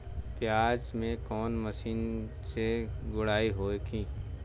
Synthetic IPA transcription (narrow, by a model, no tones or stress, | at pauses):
t̪eaːd͡ʒmẽkɔːnməʃiːn | seɡʊɽaːiɦoːekʰĩː